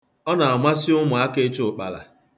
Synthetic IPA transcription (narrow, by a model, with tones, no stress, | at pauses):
ɔ˦na˨a˨ma˦sɪ˦ʊ˦mʊ˨a˦ke˦t͡ʃʊ˨k͡pa̰˨la̰˨